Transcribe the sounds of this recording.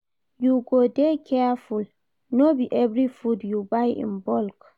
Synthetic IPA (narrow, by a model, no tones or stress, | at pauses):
juɡodekʰɛaful | nobiʔɛvɹifudjubajʔḭ̃nbɔlk